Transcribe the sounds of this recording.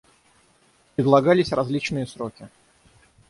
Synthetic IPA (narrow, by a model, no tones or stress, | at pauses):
pɾʲɪd̪lˠɐɡalʲɪsʲrɐzʲlʲit͡ɕnɨjəsɾokʲɪ